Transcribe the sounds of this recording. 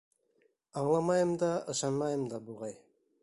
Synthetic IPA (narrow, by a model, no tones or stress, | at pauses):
ɑɴlˠɑmɑjɤmd̪ɑɤ̆ʃɑnmɑjɤmd̪ɑbuʁɑj